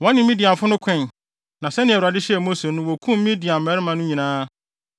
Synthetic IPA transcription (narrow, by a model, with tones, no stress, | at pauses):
wɔ̃˦nɪ̃˨mĩ˦di˨a˨fʊ˦nʊ̃˦kʷʰɛ̃˦˨n | nã˨sɛ˦nɪ̃˨ɛ˨u˨ɾa˨dɪ˦ɕɛ˨mo˦se˨nʊ̃˦wɔ˨kʰũ˦m˦ĩ˦di˨ã˨m̩˨mɛ˦ɾɪ˦mã˨nʊ̃˦ɲĩ˨nãː˦